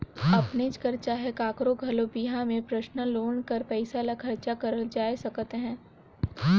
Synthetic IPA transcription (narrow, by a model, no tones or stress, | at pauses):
ɐpnet͡ʃkɐɾt͡ʃaɦɛkaːkɾoɡʱɐlobiɦãmẽpɾɐʃnəloːɳkɐɾpɛɪsalakʰɐɾt͡ʃakɐɾəld͡ʒaːjsɐkt̪eɦɛ̃ː